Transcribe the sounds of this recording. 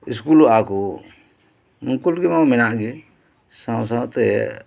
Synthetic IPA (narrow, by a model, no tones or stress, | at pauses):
iskulakɔ | nuŋkulɡɛmamɛnaʔɡɛ | sãws̬awt̪ɛ